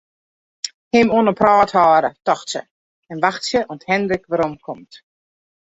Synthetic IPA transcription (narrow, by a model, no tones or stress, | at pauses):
hɪmoənəprɑːthaːɾətɔxsə̰ | ɛnʋaxtsjəʔɔnthɛndɾəkʋaɾɔmkʰɔmt